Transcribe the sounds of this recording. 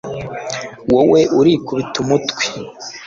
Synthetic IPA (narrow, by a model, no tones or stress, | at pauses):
wowe̞ʔuɾikuβitumutkwi̥